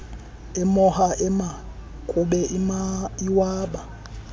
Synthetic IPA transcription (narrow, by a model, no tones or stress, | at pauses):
ɛmɔhaʔɛma | kʼuɓɛʔimaiwaːɓa